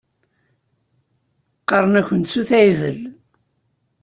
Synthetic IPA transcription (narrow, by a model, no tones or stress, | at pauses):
qːɑɾˤənæçənt̪suθæjðə̰l